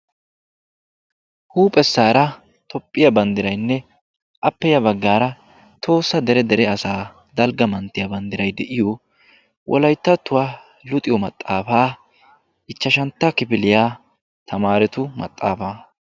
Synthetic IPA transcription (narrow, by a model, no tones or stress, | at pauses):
huːpʼɛsːaːɾɐ | t̪ɔpʼːɪjɐbɐnd̪ɪɾɐjnːɛ | ʔɐpːɛjɐbɐɡːaːɾɐ | t̪ʰo̞ːsːɐd̪ɛɾɛd̪ɛɾɛɐsaː | d̪ɐlɡɐmɐnt̪ːɪjɐbɐnd̪ɪɾɐjd̪ɛʔɪjo | wʔɔ̰lɐjt̪ːɐt̪ːʊwaː | lʊt̪ʼɪjɔmɐt̪ʼːaːfaː | ʔɪt͡ʃːɐʃɐnt̪ːɐkɪpɪlɪjaː | t̪ʰɐmaːɾɛt̪ʊmɐ̰t̪ʼːaːfaː